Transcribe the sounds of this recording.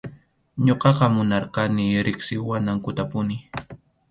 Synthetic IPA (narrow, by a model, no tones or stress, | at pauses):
ɲoqɑqɑmʊnɑɾqɑnɪɾɪksɪwanaŋkʊt̪apʊnɪ